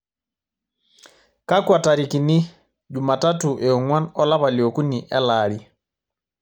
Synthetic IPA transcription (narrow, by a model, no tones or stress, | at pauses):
kakwataɾikini | d͡ʒumatatuʔɛɔŋwanɔlaβaliokuniʔɛlaːli